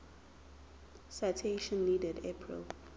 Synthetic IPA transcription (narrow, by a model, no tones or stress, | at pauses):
sajtʰeʃɔ̃nːidɛdepʰɹḭl